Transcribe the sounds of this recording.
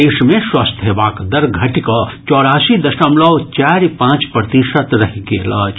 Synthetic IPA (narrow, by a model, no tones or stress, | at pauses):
eːʃmẽswɐst̪ʰɦeːbaːkd̪ɐɾɡʱɐʈikɐt͡ʃɔːɽaːsid̪ɐʃəmlɐʋt͡ʃaːɾpãːt͡ʃpɾət̪iʃət̪ɾɐɦikeːlɐːt͡ʃ